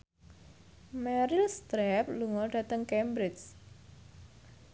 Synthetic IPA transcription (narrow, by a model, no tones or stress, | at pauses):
mɛɾilst̪ɾɛp̚luŋɔlɖ̥ä̤t̪əŋkɛmbɾɪt͡ʃ